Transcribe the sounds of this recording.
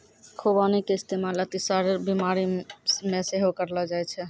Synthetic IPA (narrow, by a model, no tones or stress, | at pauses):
kʰobanikeɪst̪emalət̪isəɾbimaɾimeseɦokəɾlɔd͡ʒajt͡ʃʰɛ